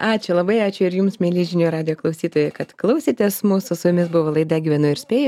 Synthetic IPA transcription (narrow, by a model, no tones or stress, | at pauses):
ɑːt͡ʃʲʊlˠɐbɐɪɑːt͡ʃʲʊɪɾjuːmsmʲeːlʲiːʒʲɪnʲuːɾɑːd̪ʲɪjoːklˠɐʊsʲiːt̪oːjɛkɐt̪klˠɐʊsʲiːt̪ʲɛsmusʊsʊjʊmʲɪsbʊʋoːlˠɐɪd̪ɐɡʲiʋʲɛnʊɪɾsʲpʲeːjʊ